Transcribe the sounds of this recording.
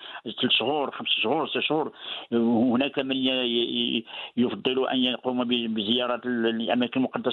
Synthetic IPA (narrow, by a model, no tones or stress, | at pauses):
t̪əlʃhuɾˤxəmsʃhuɾˤsæʃhuɾˤhhnækæmən | jfɑd̪ˤːɨluʔæ̰njəqumbbəzəjɑɾˤɑt̪ʔæmækənmʊqɑd̪ːɑ